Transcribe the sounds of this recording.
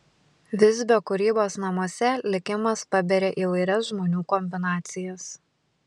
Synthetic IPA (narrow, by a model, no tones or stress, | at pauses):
ʋʲɪzʲbʲoːkʊɾʲiːboːsnɐmuɔsʲɛlʲɪkʲɪmɐspɐbʲɛɾʲeːʔiːʋɐɪɾʲɛsʒmoːnʲuːkɔmʲbʲɪnɑːt̪sʲɪjɛs